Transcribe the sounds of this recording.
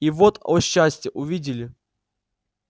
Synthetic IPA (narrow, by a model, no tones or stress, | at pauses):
ivot̪oɕːasʲtʲjəʔʊvʲidʲɪlʲɪ